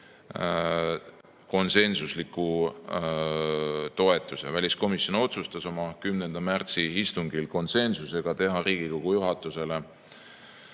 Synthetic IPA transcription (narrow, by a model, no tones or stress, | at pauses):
ko̞nse̞nsuslikːˑu | t̪o̞e̞t̪ːˑuse̞vælʲisko̞misjo̞no̞t̪sust̪ɑso̞mɑkymnend̪̥ɑmært̪siist̪uŋɡ̥ilko̞nse̞nsuse̞ɡ̥ɑt̪e̞ɦɑɾiːɡ̥iko̞ɡ̥ujuɦɑt̪ːˑuse̞le̞